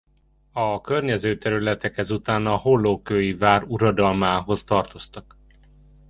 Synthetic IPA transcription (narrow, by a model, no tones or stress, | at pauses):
ɒkørɲɛzøːt̪ɛɾylɛt̪ɛkhɛzut̪aːnɒho̞lːoːkøːjivaːɾuɾɒd̪ɒlmaːɦo̞st̪ɒrt̪o̞st̪ɒk